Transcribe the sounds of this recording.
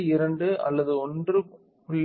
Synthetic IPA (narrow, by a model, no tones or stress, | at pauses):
ɪɾɐɳɖɯɐ̰lːɐðɯɔndrɯ | kʊɭː